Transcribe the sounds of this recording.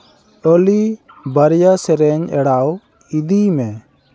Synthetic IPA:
ɔli | bəɾjasɛɾɛɲɛɽaw | id̪imɛ

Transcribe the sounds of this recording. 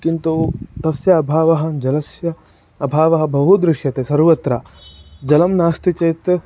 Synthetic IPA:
kint̪ut̪ɐsjɐːbʱaːʋɐɦɐ̆d͡ʒɐlɐsjɐː | bʱaːʋɐɦɐ̆bɐɦud̪ɾɪʂjɐt̪esɐɾʋɐt̪ɾaː | d͡ʒɐlɐmnaːst̪it͡ʃɐjt̪

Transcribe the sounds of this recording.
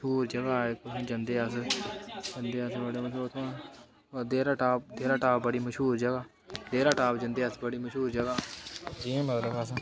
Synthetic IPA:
ʃuːɾd͡ʒəɡaːekːd͡ʒənd̪eːəs | d͡ʒənd̪eːəsbəɽeːməʃuːɾt̪ʰõː | d̪eːɾaːʈaːp̚d̪eːɾaːʈaːpbəɽiːməʃɦuːɾd͡ʒəɡaː | d̪eːɾaːʈaːbd͡ʒə̃nd̪eːəsbəɽiːməʃuːɾd͡ʒəɡaːd͡ʒiːməɡləbəs

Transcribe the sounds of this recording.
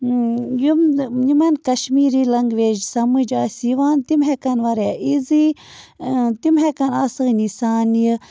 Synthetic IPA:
jumnimɐnkɐʃmiːɾilɐŋɡʋeːd͡ʒsɐmɨd͡ʒaːsiʋaːnt̪imɦekɐnʋɐɾaʔizi | t̪imɦekɐnasɨɣnisaːnji

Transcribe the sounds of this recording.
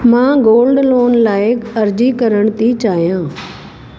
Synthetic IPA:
mãːɡoːlɖloːnlaːɪkɐɾd͡ʑikɐɾəɽ̃t̪it͡ɕaːɦijãː

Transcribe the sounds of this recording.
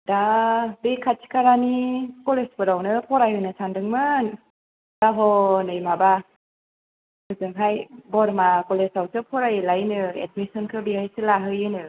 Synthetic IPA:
dabekʰat͡ʃʰi̥kʰaɾanikɔlespɯɾawnɯpʰɔɾajɦɯnɯsʰandɯŋmɯn | d̥aɦɔnɯjmaba | ɯzɯŋɦajbɔɾmakɔlesawsɯpʰɔɾajlajnɯḛt̚misɔnkʰɯbihajsɯlaɦɯjɯnɯ

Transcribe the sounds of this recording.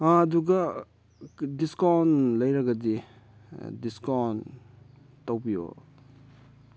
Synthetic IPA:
duɡɐ | diskawnlɐjɾɐɡɐdḭ | diskawn | tɐwbijo̰

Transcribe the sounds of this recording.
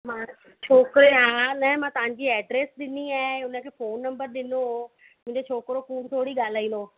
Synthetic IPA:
mãː | t͡ɕʰoːkɾeɦanɐɦmãt̪ɐʋ̤ãɲ̆d͡ʑiːɛːɖɾeːsɗɪniaːɦeʊnə̆kʰeːfoːnːɐ̃mbəɾɗɪnoɦo | mʊ̃ɪ̃ɲd͡ʑet͡ɕʰoːkɾokuːnt̪ʰoːɽiɠaːl̤aːĩːnd̪oː

